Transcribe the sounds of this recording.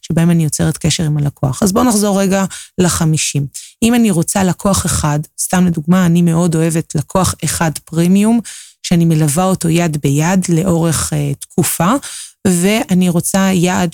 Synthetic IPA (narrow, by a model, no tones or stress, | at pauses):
ʃebaemanijot͡se̞ʁetkeʃeʁimalakʰo̞aχazbo̞naχzo̞ʁːeɡalaχamiʃimʔimaniʁo̞t͡salakʰo̞aχe̞χadstamleduɡmaːnime̞ʔo̞do̞e̞ve̞tʰlakʰo̞aχe̞χadpʁimiumʃeanime̞lavao̞to̞jadbejadle̞ʔo̞ʁe̞χetkʰufave̞ʔaniʁo̞t͡sajaʔd